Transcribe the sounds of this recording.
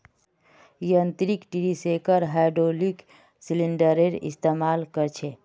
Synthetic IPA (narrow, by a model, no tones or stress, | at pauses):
iənt̪ɾikʈiɾisekəɾɦajɖɾolik | siliɳɖəɾeɾḭst̪emalkəɾt͡ʃʰe